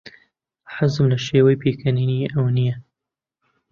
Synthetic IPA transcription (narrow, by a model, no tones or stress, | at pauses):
ħazɨmlɐʃeːwɐjpʰeːkʰɐniːniʔɐwnijɛ